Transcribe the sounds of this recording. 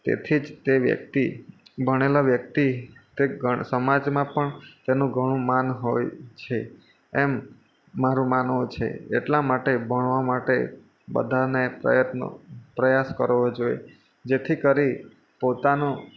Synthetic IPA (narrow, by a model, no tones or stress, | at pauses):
t̪ḛt̪ʰid͡ʒt̪eʋjə̰k̚t̪ibʱəɽ̃elaʋjək̚t̪it̪eɡʱəsəmad͡ʒmãpəɳt̪enũɡʱəɽ̃ũmanɦojt͡ʃʰe | ɛmː | aɾũmanũt͡ʃʰḛḛʈlamaʈebʱəɳʋamaʈe | bə̰d̪ʱanepɾə̰jət̪no̰pɾəjaskəɾoʋod͡ʒoḛ | d͡ʒet̪ʰikəɾi | pot̪ano